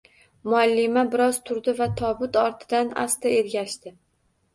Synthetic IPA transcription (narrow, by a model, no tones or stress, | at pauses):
mʊalːɪmabɪɾɒz̥t̪ʰʊɾd̪ɪvat̪ʰɒbʊt̪ɒɾt̪ʰɪ̥d̪ana̰st̪ae̞ɾɡʲaʃt̪ɪ